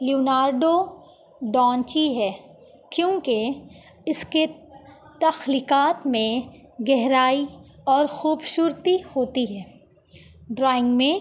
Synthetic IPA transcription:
lioːnaːɾɖo | ɖɔ̃ːnt͡ʃiɦɛː | kjõːke | ɪske | t̪ɐxliːkaːt̪mẽ | ɡɛɦɾaːiɔːɾxuːbʃʊɾt̪ihoːt̪iɦɛː | ɖɾɔːɪ̃ŋɡmẽ

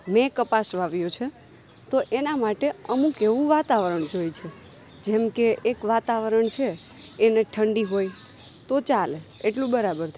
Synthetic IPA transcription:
mẽkəpasʋaʋjot͡ʃʰe | t̪oʔenamaʈeəmũkeʋũʋat̪aʋəɾəɳd͡ʒojt͡ʃʰe | d͡ʒemkeʔekʋat̪aʋəɾəɳt͡ʃʰeː | neʈʰəɳɖiɦoj | t̪ot͡ʃaleeʈlũbəɾabəɾt̪ʰa

